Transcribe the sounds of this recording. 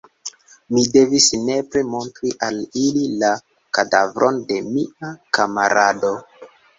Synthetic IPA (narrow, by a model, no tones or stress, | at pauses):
mide̞visne̞pɾemo̞ntɾiʔalilila | kadavɾʔo̞nde̞miakama̰ɾado̞